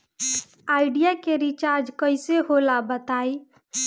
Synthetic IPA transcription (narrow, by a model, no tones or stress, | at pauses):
aɪɖijakeɾit͡ʃaɾd͡ʒkəɪseɦolabət̪aj